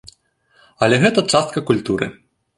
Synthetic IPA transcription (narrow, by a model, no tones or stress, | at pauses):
ɐlʲɛɣɛt̪ɐt͡ʂast̪̚kɐkulʲt̪uɾɨ̰